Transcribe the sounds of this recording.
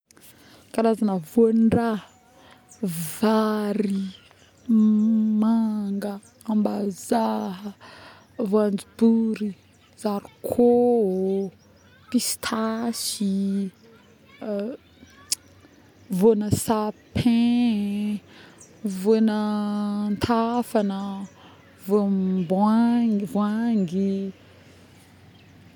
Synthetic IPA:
kaɾazanəvonra | vaɾi | maŋɡə | ambazaɦ | voand͡zibuɾi | z̥aɾikʰo | pist̪ʰasi | vonəsapʰẽ | vonənt̪ʰafanə | vobaŋvwaŋɡi

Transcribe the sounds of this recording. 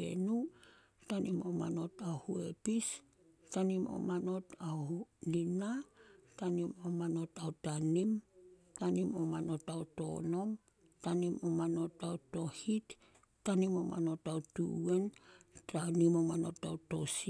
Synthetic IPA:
e̞̰nu | tanimo̞̰ma̰no̞taohue̞̰pis | tanimo̞̰mano̞taolinatanimo̞mano̞tawtanim | tanimo̞mano̞tawto̞̰no̞m | tanimo̞mano̞tawto̞hitː | animo̞ma̰no̞tautue̞ntanimo̞mano̞tawto̞si

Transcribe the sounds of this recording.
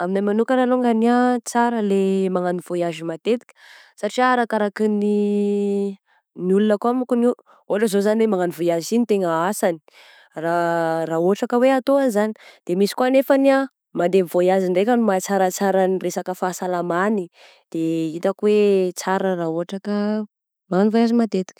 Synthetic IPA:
aminamanukənaloŋɡaniat͡saɾəlemaŋaniv̥ojazimat̪et̪i̥kʲə̥ | saʈ͡ʂiaɾakaɾakini | niulunəkuamukunu | oʈ͡ʂəzozanilemaŋanivojazinit̪eŋəasani̥ | raraoʈ͡ʂakəweat̪oanizanid̪̥emisi̥kuanefania | mand̪emvojaziɳɖ͡ʐekʲənumat͡saɾət͡saɾaniresakəfasalamani | d̪̥eit̪akwet͡saɾəraoʈ͡ʂakə | maŋanivojazimat̪et̪i̥kʲə̥

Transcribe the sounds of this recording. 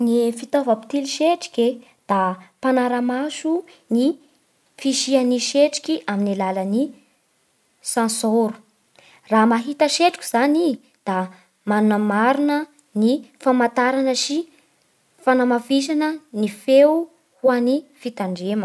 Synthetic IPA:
nifit̪ovapi̥t̪iliʃeʈ͡ʂi̥kʲe | d̪̥apanaɾəmaʃu | ni | fiʃianiʃeʈ͡ʂi̥kʲiʔaminilaləni | sãsoɾu̥ | ramaɦit̪əʃeʈ͡ʂikʲiz̥ani | d̪̥a | manunəmaɾunə | nifamat̪aɾanəʃi | fanamafiʃanənife | huanifit̪aɳɖ͡ʐemə

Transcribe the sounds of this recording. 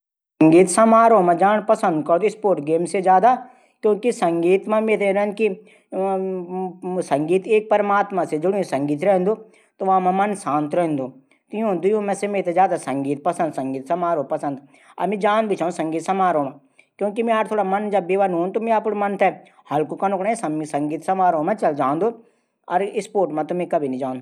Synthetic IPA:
ssɐ̃ŋɡiːt̪sɐmaːɾõmãd͡ʒaːnpɐsə̃nd̪kɐɾd̪ɪspoːɾʈɡeːmsed͡ʒjaːd̪a | kjõːkisɐ̃ŋɡiːt̪mãmeːt̪ẽɾɛnki | sɐ̃ŋɡiːt̪eːk̚pɐɾmaːt̪mased͡ʒʊɽiõsɐ̃ŋɡiːt̪ɾɛɦnd̪o | t̪oʋamɛ̃mɐnsãːnt̪ɾɛɦnd̪oː | t̪jõd̪ʊjõmɛ̃semeːt̪ed͡ʒaːd̪asɐ̃ŋɡiːt̪̚pɐsə̃nd̪sɐ̃ŋɡiːt̪sɐmaːɾopɐsə̃nd̪ | ɐ̰mĩd͡ʒaːnbʱit͡ʃʰaũsɐ̃ŋɡiːt̪sɐmaːɾõmã | kjõːkimɛ̃aːɾt̪ʰoːɽamɐnd͡ʒɐbːiʋanõnt̪omẽaːpoɽmɐnt̪ʰɛ | hɐlkokanʊkɽãːsɐsɐ̃ŋɡiːt̪sɐmaːɾõmãt͡ʃɐld͡ʒaːnd̪oː | ɔːɾɪspoːʈmãt̪ʊmẽkɐbʱinɐɦĩd͡ʒãːnd̪o

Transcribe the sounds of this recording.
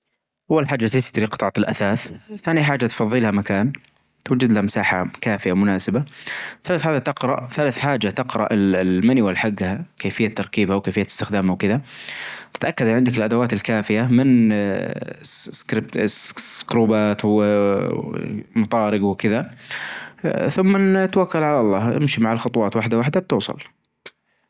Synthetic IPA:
ʔawːalħaːd͡ʒːaseːft̪ɾiːqɨt̪ˤɑʕɑt̪ɪlʔaθaːθθaːnjħaːd͡ʒːat̪fɑðˤːiːlhamakaːn | t̪wad͡ʒɪd̪lahamɪsaːħakaːfɪjamʊnaːsɪbaθalaːθħaːd͡ʒat̪ɪqɾɑ̰ʔθalaθħaːd͡ʒat̪ɪqɾˤɑ̰ʔɪmaniwalħaɡːhakeːfɪjːat̪ːɑɾˤkiːbhawkeːfɪjːaɪst̪ɪxd̪aːmhawkɪðat̪ɪ̥t̪ʔakːad̪ʕɪnd̪ɪkɪlʔad̪awaːt̪ɪlkaːfɪjamɪn | kɾɪb̪sskɾuːbaːt̪w | mɑt̪ˤɑːɾɪɡwkɪða | θʊmːat̪wakːalʕalɑlˤːɑːhʔɪ̰mʃimaʕalxʊɑt̪ˤwɑːt̪waħd̪awaħd̪ab̚t̪uːsˤɑ̰l

